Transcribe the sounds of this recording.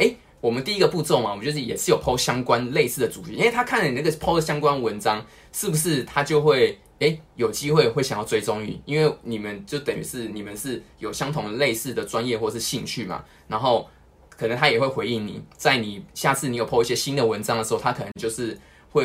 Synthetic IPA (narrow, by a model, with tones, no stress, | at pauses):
e˥ɪ | wɔ˨˩mə˦nt̪i˥˧i˦˥ɡə˨pu˥˧t͡sɔ˥˨ʊma˨˩˦t͡ɕɥɛ˧˥ə˥˩jɛ̰˨˩ʂɻ̩˥˩jo˨˩ʊpʰo˥ʊɕjɑ˥ŋkwa˦nle˥˧ɪsɹ̩˥˩d̪ə˨˩t͡su˨˩i˧˦i˥˦nwe˥˩t̪ʰa˥kʰa˥˩nlə˨ni˨˩na˥ɡə˩pʰo˥ʊd̪ə˩ɕjɑ˥ŋkwa˥˦nwə˧˦nʈ͡ʂɑ˥ŋ | ʂɻ̩˥˩bu˩ʂɻ̩˥˩t̪ʰa˦˥t͡ɕjo˥˧ʊxwe˥˩ɪ | e˥ɪjo˨˩ʊt͡ɕi˦xwe˥˧ɪxwe˥˩ɪɕjŋjɑ˥˩ʊt͡swe˥ɪʈ͡ʂo˥ŋy̰˥˩i˦˥nwe˥˩ɪni˨˩mə˦nt͡ɕjo˥˩ʊt̪ə˨ŋy̰˧˥ʂɻ̩˥˩ni˨˩mə˨˦nʂɻ̩˥˩jo˨˩ʊɕjɑ˥ŋt̪ʰʊ˨˩ŋd̪ə˨˩le˥˧ɪsɹ̩˥˩d̪ə˩ʈ͡ʂwa˦njɛ˥˧xwɔ˥˩ə˨˩ʂɻ̩˥˧˩ɕi˥˧ŋt͡ɕʰy˥˩ma̰˨˩ | na˧˥nxo˥˩ʊ | kʰɤ˨˩nə˧˦ŋt̪ʰa˥jɛ˨˩xwe˥˩ɪxwe˧˥ɪi˥˩ŋnḭ˨˩t͡sa˥˩ɪni˨˩ɕja˥˧t͡s̩̪ʰ˥˩i˨˥jo˨˩pʰo˦˥i˥˩ɕjɛ˦˥ɕi˥nd̪ə˨wə˧˦nʈ͡ʂɑ˥ŋdə˨˩ʂ̩˧˥xt̪ʰa˥kʰɤ˨˩ə˧ə˧˦ŋt͡ɕjo˥˧ʊʂɻ̩˥˧ | xwe˥˩ɪ